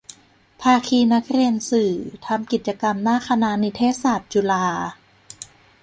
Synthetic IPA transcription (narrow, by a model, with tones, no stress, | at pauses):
pʰaː˧kʰiː˧na˦˥k̚ʰɾi˧ənsɯː˨˩t̪ʰa˧mki˨˩t̪̚t͡ɕa˧ka˧mnaː˥˩kʰa˧na˧˥ni˧t̪ʰeː˦˥saː˨˩t̪̚t͡ɕuː˧laː˧